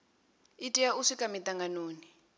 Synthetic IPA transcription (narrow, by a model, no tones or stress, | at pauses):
itʼijauʂikʼamit̪aŋɡanoːni